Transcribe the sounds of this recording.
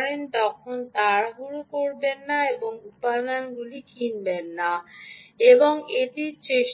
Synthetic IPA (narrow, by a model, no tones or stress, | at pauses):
ɾent̪ɔkʰont̪aɾaɦuɾukoɾbenːaeboŋupad̪anɡulikʰinbenːa | eboŋeʈiɾt͡ɕeʃ